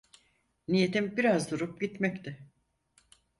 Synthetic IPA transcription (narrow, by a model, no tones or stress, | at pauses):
nije̞t̪ʰimbiɾazd̪uɾup̚ɟit̪mɛct̪ʰɪ